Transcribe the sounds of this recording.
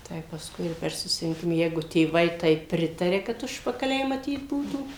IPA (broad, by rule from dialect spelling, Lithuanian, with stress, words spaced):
ˈtɐɪ pɐsˈkʊɪ ɪr pʲɛr sʊsʲɪrʲɪŋʲˈkʲɪmɐ ˈjɛɪɡʊ tʲeːˈʋɐɪ ˈtɐɪp ˈpʲrʲɪtɐrʲɛ kɐt ˈʊʃpɐkɐlʲɛɪ mɐˈtʲiːt ˈbuːtuː